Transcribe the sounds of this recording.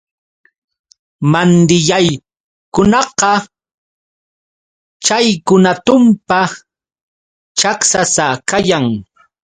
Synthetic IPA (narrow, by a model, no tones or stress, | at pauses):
mand̪ɪjaj | kʊnɑqɑ | t͡ʃajkʊnat̪ʊmpa | t͡ʃaksasakajaŋ